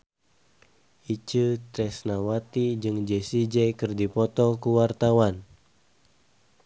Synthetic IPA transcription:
ʔit͡ʃət̪ɾɛsnawat̪id͡ʒɨŋd͡ʒɛsid͡ʒɛjkɨrdipɔt̪ɔkuwart̪awan

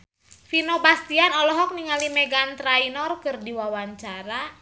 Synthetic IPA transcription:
finobast̪ianɔlɔɦɔk̚niŋalimeɡant̪ɾainɔrkɨrdiwawaɲt͡ʃaɾa

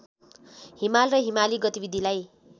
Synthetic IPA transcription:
ɦimalrʌɦimaliɡʌt̪ibid̪ʱilaj

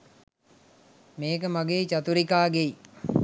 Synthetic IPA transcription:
meːkəmaɡeːt͡ʃat̪uɾikaːɡei

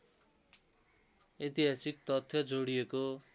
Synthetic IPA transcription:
et̪iɦasik̚t̪ʌt̪ʰːjʌd͡zoɽijeko

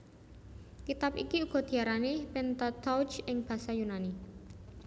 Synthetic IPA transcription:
kit̪apḭkiuɡ̥ɔ̤d̪̥i̤aɾanipɛnt̪ɔt̪ɔwd͡ʒɪŋb̥a̤sajunani

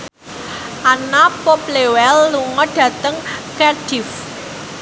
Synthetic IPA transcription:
ʔanapoplewɛlːuŋɔɖ̥ä̤t̪əŋkɛrd̥if

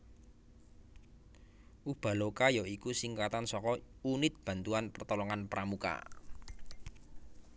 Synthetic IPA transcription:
ʔub̥a̤lokajɔikusiŋkat̪ansɔkɔunɪt̪̚b̥a̤nt̪uanpərt̪ɔlɔŋanpɾamuka̰

